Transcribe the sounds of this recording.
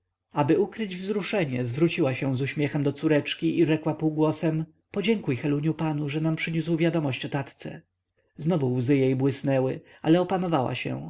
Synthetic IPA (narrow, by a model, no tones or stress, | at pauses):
abɘukɾɘd͡ʑvzɾuʂɛɲɛzvɾut͡ɕiwaɕɛ̃w̃zuɕmʲjɛxɛmd̪ɔt̪suɾɛt͡ʂkʲiʔiʐɛkwapuːɡwɔsɛm | pɔd͡ʑɛŋkujxɛluɲupanuʐɛnampʂɘɲuswvʲjad̪ɔmɔɕt͡ɕɔt̪at̪t̪sɛ̰ | znɔvuwzɘjejbwɘsnɛwɘ | alɛɔpanɔvawa̰ɕɛ̰̃